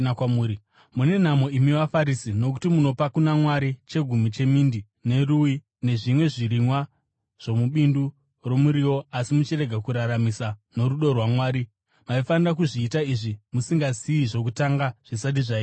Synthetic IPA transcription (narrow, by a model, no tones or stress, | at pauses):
kamuːɾi | mune̞n̤amo̞imiwafaɾisino̞kutimuno̞pakunamwaɾit͡ʃe̞ɡʱumit͡ʃe̞mindi | ne̞ruji | ne̞ʐimwe̞ʐiɾimwa | ʐ̥o̞muɓindu | ro̞muɾiwo̞asimut͡ʃire̞ɡʱakuɾaɾamisano̞ruɗo̞rwamwaːɾi | maifanirak̬uʐiːtaiʐimusiŋɡaziːʐo̞k̬utaŋɡaʐ̥isat̬iʐaiː